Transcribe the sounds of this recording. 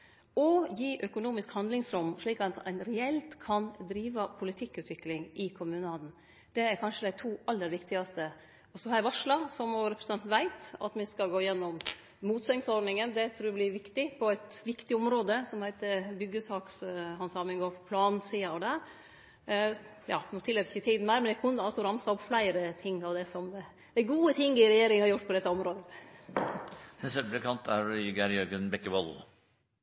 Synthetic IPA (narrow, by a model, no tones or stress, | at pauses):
ɔjiːʔœkʊnuːmɪskhɑnd̪lɪŋsɾʊmːʂɭiːkɑt̪æ̰ɪnɾɛɛlt̪kʰɑnd̪ɾiːʋɑpʰʊlɪt̪ʰɪkːʉːt̪ʰʋɪklɪŋɪkʰʊmʉnəɑːd̪n̩ | d̪̥ɛæɾkʰɑnʂəd̪æɪt̪ʰuːʔɑlːəɾʋɪkt̪ɪɡɑst̪ə | ɔsɔhɑɾjæʋɑʂlɑsɔmɔɾɛpɾɛsɛnt̪n̩ʋæɪt̪ɑ̰t̪mɪskɑlɡoːɪjɛnːɔm | muːt̪sœŋsɔɾɖ̪nɪŋənd̪ɛt̪ʰɾuːɛblɪʋɪkt̪ɪpʰɔæɪt̪ʋɪkt̪ɪɔmɾoːd̪əsɔmhæɪt̪əbʏɡːəsɑːksɑnsɑːmɪnɡoːɾpʰɔpʰlɑːnsiːɑɔd̪æɾ | jɑ̰ːnuːt̪ɪlːɛːt̪əɪçəɪt̪ʰiːd̪n̩mæːɾmɛnjɛkʰʊnɑlsɔɾɑmsɑɔpflæɪɾət̪ʰɪŋːɑʋd̪ɛsɔmd̪ɛ | d̪ɛɡuːət̪ʰɪŋːɪɾɛjeːɾɪŋhɑɾjʊʈːpʰɔd̪ɛt̪ːəɔmɾoːd̪ə | nɛsəblɛkʰɑnt̪ʰæɾjʏɡæɾjœɾɡənbɛkːəʋɔl